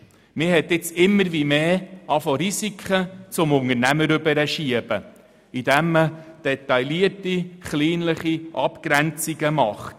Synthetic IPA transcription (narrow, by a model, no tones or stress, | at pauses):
mɪɦɛt̪ːɪt͡sɪmːəɾʋimeːɑfɔɾisikʰχət͡sʊmʊŋəɾnæməɾʏbəɾəʃiəb̥ə | idæmːəd̥ɛtɑjliətiχliːnləχiʔɑpkɾænt͡siɡəmɑχt